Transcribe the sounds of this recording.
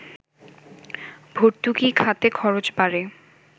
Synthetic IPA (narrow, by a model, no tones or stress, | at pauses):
bʱoɾt̪ukikʰat̪ekʰɔɾot͡ɕbaɾe